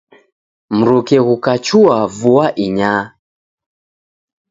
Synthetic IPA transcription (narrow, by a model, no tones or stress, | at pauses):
m̩ɾukɛɣukat͡ʃuavuaʔiɲa